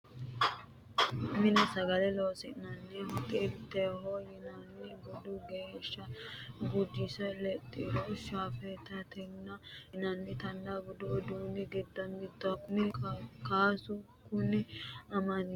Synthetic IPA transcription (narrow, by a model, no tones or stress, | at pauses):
mɪnɛsɐɡɐlɛloːsɪnɐnːɪjɐhɔt̪ɛt̪ːɛɦojɪnɐnːɪɡʊd̪ʊɡeːʃːɐɡʊd͡ʒːɪsɐlɛt̪ʼːɪd̪ɔʃaːfɛt̪ɐt̪ʰɛnːɐnɐnːɪt̪ɐnd̪aɡɔd̪ʊɔd̪uːnɪɡɛd̪ːɐmbɪt̪ːʊakʊnɪkaːsʊ | kʊnɪɐmɐn